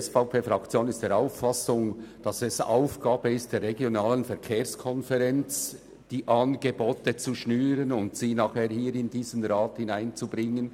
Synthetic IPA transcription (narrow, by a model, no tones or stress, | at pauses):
ɛsfaʊpʰeːfʁɑkt͡sjoːnɪstd̥eːɾaʊfɑsʊŋd̥ɑsɛsa̰ʊfɡ̥aːbəɪstd̥eːɾʁeɡjonaːlənfɛɐɾkʰeːskʰɔnfɛʁɛnt͡s | d̥iːʔɑnɡeboːtət͡suʃnyːɾənʊntsiːnaːχheːhiːɾɪndiːzənʁaːthɪnaɪnt͡subʁɪŋən